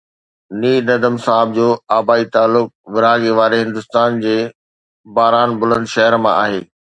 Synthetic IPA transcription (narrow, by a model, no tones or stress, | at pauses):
niːɾnɐd̪əmsaːɦəb̚d͡ʑoːaːbaːit̪aːlːʊk̚ʋɪɾaːɡeʋaːɾeɦɪ̃nd̪ʊst̪aːnd͡ʑeː | baːɾaːnbʊlənd̪ʃɐɦəɾmã̰ʔa̰ːɦeː